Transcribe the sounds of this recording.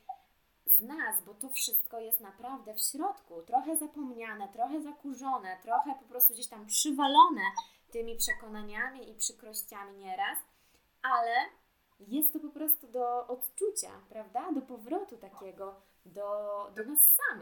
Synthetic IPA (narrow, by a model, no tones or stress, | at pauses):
znasbɔt̪ɔfʂɘst̪̚kɔjɛst̪napɾavd̪ɛfɕɾɔt̪kut̪ɾɔxɛzapɔmɲanɛt̪ɾɔxɛzakuʐɔnɛt̪ɾɔxɛpɔpɾɔst̪uɡd͡ʑeɕt̪ampʂɘvalɔnɛ | t̪ɘmʲipʂɛkɔnaɲamʲiipʂɘkɾɔɕt͡ɕamʲiɲɛɾas | alɛ | jɛst̪ːɔpɔpɾɔst̪ud̪ɔʔɔt̪t͡ʂut͡ɕa̰pɾavd̪ad̪ɔpɔvɾɔt̪ut̪akʲɛɡɔ | d̪ɔd̪ɔnasːam